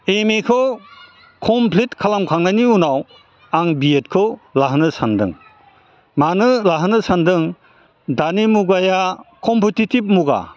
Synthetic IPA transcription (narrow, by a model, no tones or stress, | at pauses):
emekʰɯw | kʰɔmpʰlitkʰalamkʰaŋnajniunaw | aŋbiet̚kʰɯlaɦnɯsandɯ̰ŋ | manɯlaɦnɯsandɯŋ | danimuɡajakʰɔmpetitib̚muɡa̰